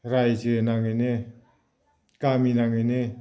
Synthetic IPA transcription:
ɾajsenaŋɯne | kaminaŋɯne

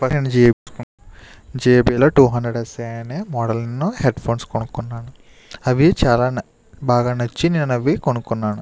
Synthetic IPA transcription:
pɐɾend͡ʒiːbisku | d͡ʒiːebiːloːʈuːɦɐndɾeɽɐseːneːmɔːɽɐlnuheɖpʰoːnskoɳukunːaːnu | ɐʋit͡ʃaːlaːn | baːɡaːnɐt͡ʃːininːɐnɐʋikoɳukunːaːnu

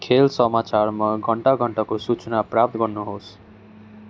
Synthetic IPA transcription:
kʰelsʌmat͡sarmaɡʱʌɳʈaɡʱʌɳʈakosut͡sʌnaprap̚t̪ɡʌrnuɦos

